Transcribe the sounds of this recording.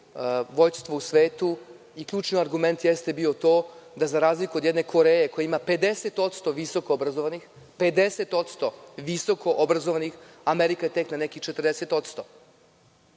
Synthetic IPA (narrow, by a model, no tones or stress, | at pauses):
ʋojst̪ʋousʋeːt̪u | ikʎʲuːt͡ʃniaɾɡume̞nt̪jest̪e̞bio̞t̪o̞ːd̪azaɾaːzlikuo̞d̪jed̪ne̞kʰo̞ɾejeko̞jaimape̞d̪eset̪o̞t̪st̪o̞ʋiso̞koobɾazoʋanix | pe̞d̪eset̪o̞t̪st̪o̞ʋiso̞ko̞ʔobɾazoʋanixameɾikae̞t̪e̞knanekixt͡ʃet̪r̩d̪eset̪o̞t̪st̪o̞